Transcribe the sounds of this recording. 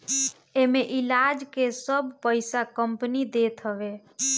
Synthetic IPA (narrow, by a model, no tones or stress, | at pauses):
emeʔilad͡ʒkesəbʱpəɪsakəmpnid̪et̪ɦəʋe